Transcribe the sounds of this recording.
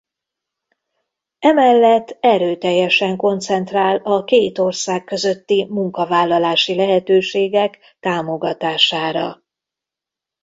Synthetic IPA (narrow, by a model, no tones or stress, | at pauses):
ɛmɛlːɛt̪ːɛɾøːt̪ɛjːɛʃɛŋko̞nt̪sɛnt̪raːlɒkeːt̪o̞rsaːkːø̞zø̞t̪ːimuŋkɒvaːlːɒlaːʃilɛɦɛt̪øːʃeːɡɛk | t̪aːmo̞ɡɒt̪aːʃaːɾɒ̰